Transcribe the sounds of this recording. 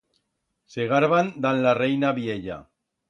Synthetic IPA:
seɣaɾβand̪anlarejnaβieʎa̰

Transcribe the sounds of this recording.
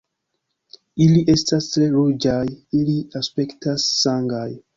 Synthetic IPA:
iliʔe̞stastɾe̞ɾud͡ʒajiliaspe̞ktasːaŋɡaj

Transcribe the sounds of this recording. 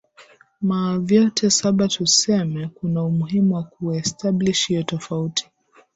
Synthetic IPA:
mavjɔtʰɛsaɓatusɛmɛkunaumuɦimuwakuwaɛstʰabliʃiɔtɔfautʰi̥

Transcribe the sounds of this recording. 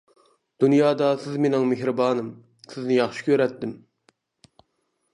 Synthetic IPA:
d̪̥unjɑːd̪ɑsɪzmenɪŋmeɦɾɨbɑːnɨm | sɪznɪjɑχʃi̥kʲʰøɾɛt̪ːɪm

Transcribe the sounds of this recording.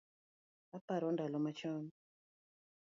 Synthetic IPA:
apaɾɔndalɔmat͡ʃɔn

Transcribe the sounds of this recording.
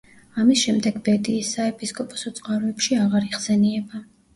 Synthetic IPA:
amisʃɛmd̪ɛɡbɛd̪iːsːaɛpʰiskʼɔpʼɔ̥sɔt̪sʼqʼaɾɔɛpʃiaʁaɾiχsɛniɛba

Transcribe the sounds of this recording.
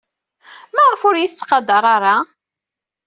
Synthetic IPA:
mæʁəfʊɾjiθt͡sːqɑd̪ɑɾˤɑɾˤɑ

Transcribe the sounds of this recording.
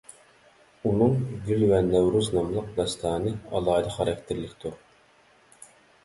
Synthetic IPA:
unɨŋvylwɛnæwɾuznɑmlˠəq̚d̪ɑst̪ʰɑːnɨɑ̰lˠɑːd̪əχɑɾɛkʲt̪ʰɪɾlɪkʲt̪ʰuɾ

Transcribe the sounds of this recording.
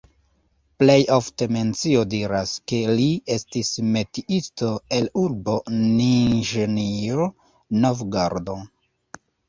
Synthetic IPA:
plejʔofte̞me̞nt͡siodiɾaske̞lie̞stisme̞tiʔisto̞e̞luɾbo̞ninʒenio | novɡaɾdo

